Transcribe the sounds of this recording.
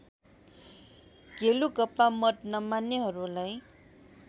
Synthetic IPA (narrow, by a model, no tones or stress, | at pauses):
ɡelukʌpːamʌt̪̚nʌmanːeɦʌɾulaj